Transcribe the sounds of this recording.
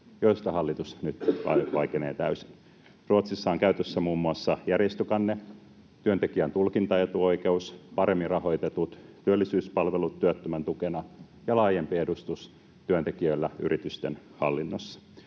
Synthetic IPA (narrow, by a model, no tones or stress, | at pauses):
joist̪ɑhɑlːit̪usnyt̪ʋɑ̰ʋɑikenḛːt̪æysin | ruot̪sisːɑːŋkæyt̪øsːæmuːmːuɑsːɑjærjest̪ykɑnːe | t̪yønt̪ekiænt̪ulkint̪ɑjet̪uo̞ikeuspɑɾemːirɑhoit̪et̪ut̪t̪ːyølːisyːspɑlʋelut̪ːyøt̪ːømænt̪ukenɑ | jɑlɑːjempiedust̪us | t̪yønt̪ekiøilːæy̰ɾʔit̪yst̪en | hɑ̰lːinːosːɑ̥